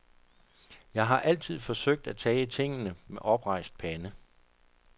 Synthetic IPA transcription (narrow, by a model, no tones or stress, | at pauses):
jɑ̈ɪɦɑ̈ʔæl̰t͡sʰið̞̰ˠfɒ̽søɡ̥̚d̥æt͡sʰɛːt͡sʰe̝ŋ̰nəmeʔɒ̽b̥ʁɑ̈ɪsd̥̚pʰænə